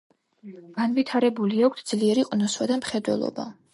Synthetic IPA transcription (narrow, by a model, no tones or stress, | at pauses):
ɡ̥anvit̪ʰaɾɛbuliakʷʰtsʰd̪z̥liɛɾiqʼnɔswad̪amχɛd̪wɛ̰lˠɔ̰ba̰